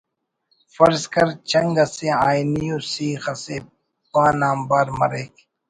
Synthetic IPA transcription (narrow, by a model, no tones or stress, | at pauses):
fɐɾskɐɾt͡ʃɐŋɡɐseaːjnijoːsiːxɐse | pãːnaːmbaːɾmɐ̰ɾeːk